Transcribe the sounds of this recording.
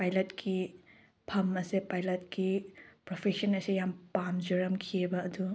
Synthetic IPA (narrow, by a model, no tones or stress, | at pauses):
pajlɐtkʰi | pʰɐmɐsepajlɐt̚kipɾopʰesɐnɐsejampamzoɾɐmkʰiebɐːdu